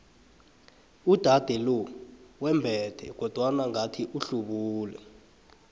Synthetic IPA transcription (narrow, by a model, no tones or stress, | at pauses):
ud̥ʱad̥ʱɛlɔwɛmbʱɛd̥ʰʱɛ̰ɡ̥ʱɔd̥ʱwanaŋatʰiʔuɬuɓuːlɛ